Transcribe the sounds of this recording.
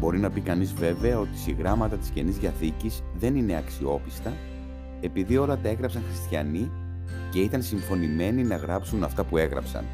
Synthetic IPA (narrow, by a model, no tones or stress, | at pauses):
bo̞ɾinɐpikɐnizve̞ve̞ɐo̞t̪i̥siɣɾɐmɐt̪ɐt̪i̥sce̞nizðɐθicizðe̞nine̞ɐksio̞pist̪ɐ | e̞piðio̞lɐt̪ɐe̞ɣɾɐpsɐŋxɾist̪çɐ̰ni | ce̞it̪ɐnsiɱfo̞nime̞ninɐɣɾɐpsunɐft̪ɐpue̞ɣɾɐ̰psɐ̰n